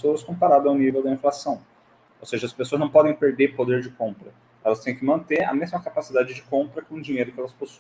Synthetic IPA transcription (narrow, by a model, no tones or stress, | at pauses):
soɐskõpaɾad̪ɐawnivewd̪ɐĩflasɐ̃w̃ | owseʒɐspes̬oɐznɐ̃w̃pɔd̪ẽj̃peɾd̪eɾpod̪eɾd͡ʒɪkõpɾɐ | ɛlɐst̪ẽj̃kɪmɐ̃nt̪eɾɐ̰mezmɐkapasid̪ad͡ʒɪd͡ʒɪkõmpɾɐkõd͡ʒiɲejɾʊkɪɛlɐsposũ̥